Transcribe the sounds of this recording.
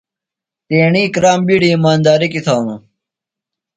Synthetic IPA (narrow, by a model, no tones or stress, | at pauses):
t̪eːɳiːkɾaːmbiːɽiːmaːnd̪aːɾikit̪ʰaːnũ